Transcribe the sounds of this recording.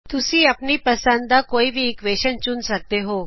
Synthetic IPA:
t̪ʊsiɐpnipəsə̃nd̪akoːibʱiːkʋeːʃənt͡ʃʊnsək̚d̪eɦo

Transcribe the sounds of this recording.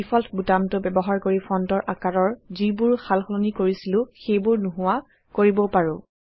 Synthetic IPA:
ifʰɔltʰbutamtʊbɛbɔɦaɹkoɹipʰɔntɔɹʔakaɹɔɹzibuɹxʰalxɔlonikoɹisilʊ̃xejbuɹnuɦʊwa | koɹibɔpaɹʊ̃

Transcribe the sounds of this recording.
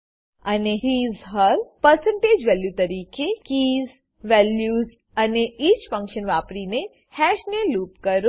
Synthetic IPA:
ɐneɦiːzɦəlpəɾsə̃ɳʈeːd͡ʒʋɛljut̪ɐɾiːkekiːz | ʋɛljuːz | ɐneʔit͡ʃfə̃ŋkʃənʋaːpɾine | hɛːʃneluːpkəɾo

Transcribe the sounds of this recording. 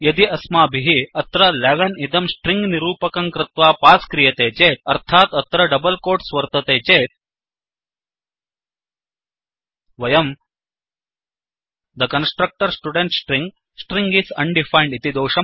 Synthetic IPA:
jɐd̪iʔɐsmaːbʱiɦiɐt̪ɾɐleʋɐnid̪ɐmsʈɾĩŋɡniɾuːpɐkɐŋkɾɪt̪ʋaːpaːskɾijɐt̪eːt͡seːt̪ɐɾt̪ʰaːt̪ɐt̪ɾɐɖɐbɐlkoːɾʈsʋɐɾt̪ɐt̪eːt͡ɕeːt̪ | ʋɐjɐm | d̪əkɐnsʈɾɐk̚ʈɐɾsʈuɖeɳʈsʈɾĩŋɡ | sʈɾiŋɡisɐnɖifajɳɖit̪id̪oːʂɐ

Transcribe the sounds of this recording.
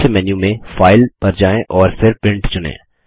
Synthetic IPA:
emɛːnjũmẽfaːɪlpɐɾd͡ʒaːẽʔɔːɾfɪɾpɪ̃ɳʈt͡ʃʊnḛ̃ː

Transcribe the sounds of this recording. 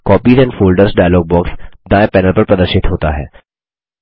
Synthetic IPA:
kɔːpiːzɛ̃ːnɖfoːlɖəɾzɖaːjloːɡ̚bɔːksd̪ãːepɛːnəlpɐɾpɾɐd̪əɾʃɪt̪ɦoːt̪a̰ɦɛ̰ː

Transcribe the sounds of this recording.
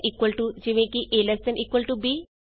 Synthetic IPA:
ʔiːkwɐlʈud͡ʒiʋẽkiʔelest̪ɐ̃nʔiːkwɐlʈubi

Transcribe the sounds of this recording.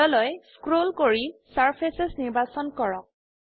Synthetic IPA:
ɔlɔjskɹolkoɹisaɹpʰesesniɹbasɔnkɔɹɔk̚

